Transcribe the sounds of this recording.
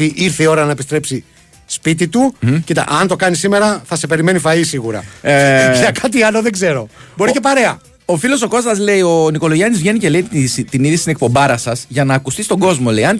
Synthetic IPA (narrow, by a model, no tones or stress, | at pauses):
iʔiɾθeio̞ɾɐnɐepist̪ɾe̞psi | spit̪̬it̪ucit̪ɐ̰ʔɐnt̪o̞kɐnisime̞ɾɐθɐse̞pe̞ɾime̞nifɐisiɣuɾɐ̰ | ʝɐkɐt̪iɐloðeɡze̞ɾo̞bo̞ɾice̞pɐɾe̞ɐ | ofilo̞so̞ko̞sɐzle̞io̞niko̞lo̞ʝɐnizvʝe̞nice̞le̞isit̪iniðisi̥inek̚po̞mbɐɾɐsɐsʝɐnɐːkust̪ist̪oɡo̞zmo̞le̞jɐn